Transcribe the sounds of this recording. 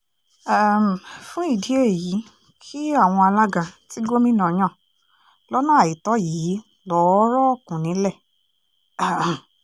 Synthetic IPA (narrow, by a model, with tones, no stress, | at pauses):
a˦m˨fũ˦i˦˨di˨˦e˦˨ji˨˦ | kʰi˦a˦˨w̃ɔ̃˧a˧la˦ɡã˧ti˦ɡo˦mĩ˦nã˨j̃ã˦˨ | lɔ˦nã˦a˨ji˨tɔ˨˦jiː˨˦ | lɔ˨˦ɾɔ˦ɔ˦˨kũ˨nĩ˨˦lɛ˦˨